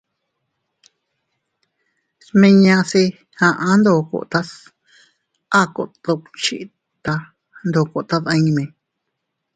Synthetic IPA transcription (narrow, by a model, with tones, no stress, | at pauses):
smẽ˧ɲã˧si˧ | hã˧ʔã˧˦nd̪o˧˨ko̰˧ʔt̪a˦s | a˦˨ko̰˧ʔt̪o˧t͡ʃḭ˧˨ | t̪a˧ | nd̪o˧˨ko˧ʔt̪a˦˧ða˧ɲĩ˧mẽ˨